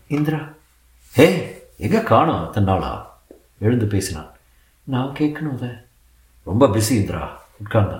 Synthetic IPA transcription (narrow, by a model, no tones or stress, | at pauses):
ɪnd̪ɪɾaː | heːɛŋɡɐkaːɳʊ̃ɐt̪ːɐnːaːɭa̰ː | ɛɻɯnd̪ɯpeːsɪnã̰ː | nãːŋkeːkːɐnõːðe | ɾɔmbɐbɪsiɪnd̪ɪɾa̰ː | ʊʈ̚kaːnd̪ã̰